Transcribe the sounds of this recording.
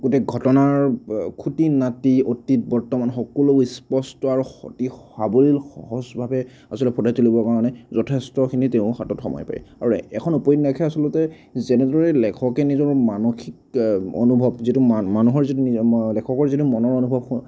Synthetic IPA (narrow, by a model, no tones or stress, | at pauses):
ɡotɛɡʱɔtɔnaɹkʰutinatiotit̚bɔɹtɔmanxɔkɔloispɔstɔaɹuxɔ̰tiɔhabolilxɔ̰ɦɔzbʱabɛ | asɔlɛpʰɔtʰajtulibɔɹkaɹɔnɛzɔtʰestɔkʰiniteʊ̃xatɔtxɔ̰mɔ̰jpa̰j̰aɹuɛkʰɔnupɔjitnakʰɛasɔlʊtɛ | zɛnɛdɔɹɛlɛkʰɔkɛnizɔɹmanoxiko̰nubʱɔbzitumanuɦɔɹzitunilɛkʰɔkɔɹzitumɔnɔɹonubʱɔb̚